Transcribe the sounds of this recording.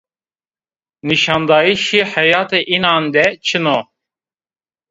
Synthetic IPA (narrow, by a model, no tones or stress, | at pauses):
niʃɑ̃ːnd̪ɑːiʃiħɛjɑːt̪eʔinɑːnd̪ɛt͡ʃʰɨno